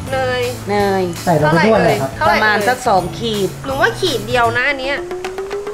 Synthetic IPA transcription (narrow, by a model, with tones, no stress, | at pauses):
lɤː˧jnɤː˧jsa˨˩ɾa˧kːmʰu˥˩t̚lɤː˧kʰpɾa˧maː˧nsa˨˩k̚sɔː˩˦ŋkʰiː˨˩t̪̚mɯ˨˩˦waː˥˩kʰiː˨˩t̪̚di˧ə˧wna˦˥ʔa˧nːi˦˥ɐ